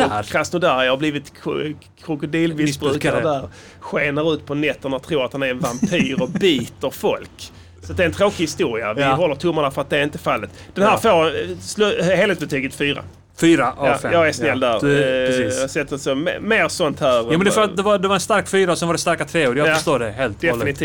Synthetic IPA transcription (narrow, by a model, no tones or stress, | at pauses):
ɔɾasnʊd̪æɾhɑbliːvɪt̪ʰ | kʰɾʊkʊd̪iːlmɪsbɾʉ̟ːkaɾəd̪æɾ | ɧeːnəɾʉ̟ːt̪pʰɔnɛt̪ːənɔt̪ʰɾuːɾat̪hanæɾɛnvampʰyːɾɔbiːt̪əɾfɔlk | sat̪d̪ɛɾɛnt̪ʰɾoːkɪhɪst̪uːɾɪa̰vɪɦɔlːəɾʈ̪ʰɵmːaɳafœɾat̪̚d̪ɛɾɪnt̪əfalːət̪d̪̥ɛnhæːɾfoːɾslheːlɛsbɛt̪ʰyːɡət̪fyːɾa̰ | fyːɾaʔfɛjɑːɡɛsnɛlːd̪æːɾɛːsɛt̪ːəsɔmmeːɾsɔnt̪hæːɾjuːmɛnd̪ɛfəɾat̪d̪ɛvad̪ɛvaɾɛnst̪aɾkfyːɾaɔsɛnvaɖɛst̪aɾkat̪ʰɾeːuːɾjajaəʂt̪oːdɛɦeːlt̪d̪ɛfɪnɪt̪ʰi